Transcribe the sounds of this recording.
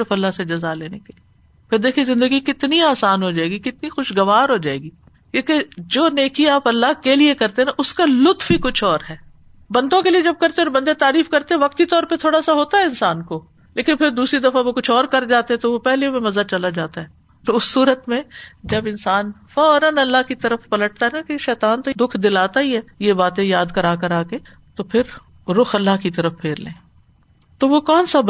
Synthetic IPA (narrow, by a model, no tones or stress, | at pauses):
ɾəfɐlːaɦsed͡ʒɐzaleːnekeli | pʰɪɾd̪eːkʰiezɪ̃nd̪əɡikɪt̪niaːsaːnɦod͡ʒaːeːɡikɪt̪nixʊʃɡɐʋaːɾɦod͡ʒaːeːɡiː | kẽːked͡ʒoːneːkiaːpɐlːaɦkeliekɐɾt̪eɦɛ̃ʔʊskalʊt̪fikʊt͡ʃʰɔːɾɦɛː | bɐ̃nd̪õkelied͡ʒɐb̚kɐɾt̪ẽɔːɾbɐ̃nd̪et̪aːɾiːfkɐɾt̪ẽɦɛ̃ʋɐk̚t̪it̪ɔːɾpet̪ʰoːɽasaɦoːt̪aɦɛɪnsaːnko | leːkɪnpʰɪɾd̪uːsɾid̪ɐfaʋokʊt͡ʃʰɔːɾkɐɾd͡ʒaːt̪eɦɛ̃t̪oʋopɛɦlemẽmɐzat͡ʃɐlad͡ʒaːt̪aɦɛː | t̪oʊsːuːɾət̪mẽd͡ʒɐbɪnsaːnfɔːɾənɐlːaɦkit̪ɐɾəfpɐləʈ̚t̪aɦɛnakeʃɛːt̪aːnt̪od̪ʊkʰd̪ɪlaːt̪aɦiɦɛːjebaːt̪ẽjaːd̪kɐɾaːkəɾaːke | t̪opʰɪɾ | ɾʊxɐlːaɦkit̪ɐɾəfpʰeːɾlḛ̃ː | t̪oʋokɔːnsab